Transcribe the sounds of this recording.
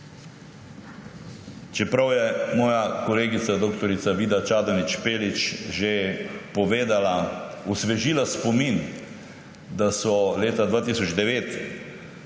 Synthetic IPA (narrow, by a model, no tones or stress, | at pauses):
t͡ʃɛpɾawjɛmɔːjakɔleːɡit̪sad̪oːkt̪ɔɾit̪saʋiːd̪at͡ʃaːd̪ɔnit͡ʃpeːlit͡ʃʒepɔʋeːd̪ala | usʋɛʒiːlaspɔmin | d̪asɔleːt̪ad̪ʋaːt̪iːsɔd͡ʒd̪ɛʋeːt̪